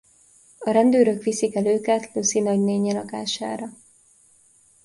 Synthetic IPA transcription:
ɒɾɛnd̪øːɾø̞kʋisikɛløːkɛt̪lusinɒɟneːɲɛlɒkaːʃa̰ːɾɒ

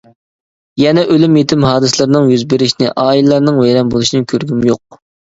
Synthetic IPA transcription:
jɛnɛʔølymjet̪ʰɪmɦɑːd̪ɨslˠɨɾnɨŋjyzbeɾɪʃnɪʔɑːillːˠɑɾnɨŋvɛjɾɛmbolˠuʃinɪkʲʰøɾɡʲymjoq̚

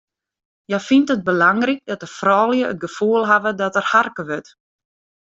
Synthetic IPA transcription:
jɛfintət̚bəlaŋrik̚dɔt̚dəfrɔːlˠjəə̰t̚ɡəfuəlˠɦavədɔtərharkəʋøt

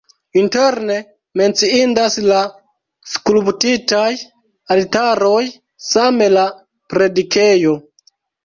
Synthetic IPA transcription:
inte̞ɾne̞ | me̞nt͡siindasla | skulubtitaj | altaɾo̞j | same̞la | pɾe̞dike̞jo̞

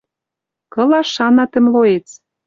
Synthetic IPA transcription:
kɤ̆lɑʃɑnɑt̪ə̆mloet͡s

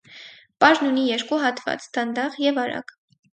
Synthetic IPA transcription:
pɑʒnunijɛɾkuɦɑt̪vɑ̰t͡sd̪ɑnd̪ɑʁjɛvɑɾɑ̰k

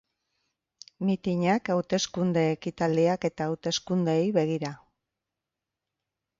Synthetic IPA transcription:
mit̪iɲakawt̪e̞skund̪e̞ːkit̪ald̪iake̞t̪aːwt̪e̞skund̪e̞jβe̞ɣ̞iɾa

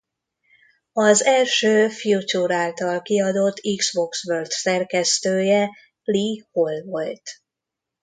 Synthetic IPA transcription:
ɒzɛlʃøːfjut͡ʃuɾaːlt̪ɒlkiɒd̪o̞t̪ʰːiɡz̥bo̞ksʋørt̪sɛrkɛst̪øːjɛ | liho̞lvolt̪

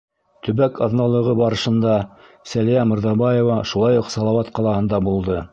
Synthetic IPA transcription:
t̪ɵ̆βækʰɑðnɑlˠɤ̆ʁɤbɑɾɤ̆ʃɤ̆nd̪ɑ | sælijæmɤ̆ɾðɑbɑjovɑʃulˠɑjuqsɑlˠɑwɑt̪qɑlˠɑhɤ̆nd̪ɑbulˠd̪ɤ

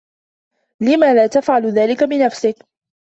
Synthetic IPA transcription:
lɪmaːlaːt̪afʕalðaːlɪkabɪnafsɪk

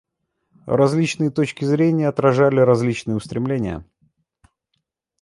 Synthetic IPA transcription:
rɐzʲlʲit͡ɕnɨjət̪ot͡ɕkʲɪzɾʲenʲɪjəɐt̪ɾɐʐalʲɪɾɐzʲlʲit͡ɕnɨjəʊst̪ɾʲɪmlʲenʲɪjə̰

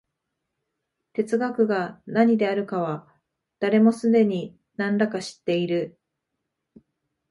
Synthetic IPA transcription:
t̪e̞t͡sɨɡakɯ̟ɡanaɲ̟id̪e̞aɾɯ̟kaβ̞a | d̪̥aɾe̞mo̞sɨd̪e̞ɲ̟i | nãnɾakaɕi̥t̪ːe̞iɾɯ̟

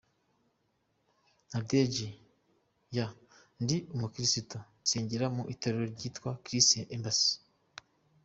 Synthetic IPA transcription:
naded͡ʒi | ja | ndiʔumukiɾisitonseːɲɟeɾamuʔitoɾeɾoɾɟiːtwakɾiseʔembasi̥

